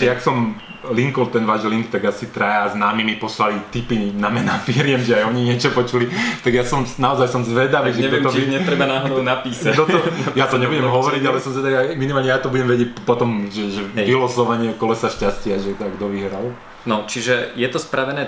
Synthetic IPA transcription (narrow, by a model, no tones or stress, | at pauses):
ɛaksɔm | liŋkɔlt̪ɛnʋaːʒliŋkt̪aɡasit̪ɾajaznaːmimipɔslalit̪ipinamɛnafiɾɪɛmʒɛajɔɲiɲɪɛt͡ʃɔpɔt͡ʃulit̪aɡjasɔmnaɔzajsɔmzʋɛd̪aʋiʒɛɛt̪ɔɲɛɾɛbanaːɦɔd̪ɔnapiːsat̪ɔt̪ɔjat̪ɔɲɛbuɟɛmɦɔʋɔɾiɟalɛasɔmzʋɛd̪aʋiaminimaːlɲɛjat̪ɔbuɟɛmʋɛɟɪɛc̚pɔt̪ɔmʒɛʒɛʋilɔsɔʋaɲɪɛkɔlɛsaʃcascɪaʒɛt̪aɡd̪ɔʋiɦɾal | nɔt͡ʃiʒɛjɛt̪ɔspɾaʋɛnɛː